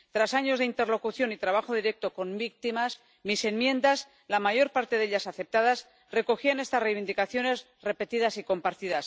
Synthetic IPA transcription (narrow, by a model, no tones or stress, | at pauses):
t̪ɾasaɲo̞zðe̞int̪e̞rlo̞kuθjonit̪ɾaβ̞axo̞ð̞iɾe̞k̚t̪o̞ko̞mbik̚t̪imas | mise̞mmjẽ̞nd̪as | lamaʝo̞ɾpaɾt̪e̞ðe̞ʎasaθe̞p̚t̪aðas | re̞ko̞xiane̞st̪asrejβind̪ikaθjo̞ne̞s | re̞pe̞t̪iðasiko̞mpaɾt̪iðas